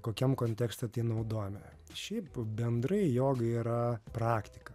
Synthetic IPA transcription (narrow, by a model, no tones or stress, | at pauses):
koːkʲɛmkoːnʲt̪ʲɛːkst̪ɐt̪ɐɪnɐʊd̪oːjmʲɛ | ʃʲɛɪpbʲɛnd̪ɾɐɪjoːɡɐɪiɾɐpɾɑːkt̪ʲɪ̥kɐ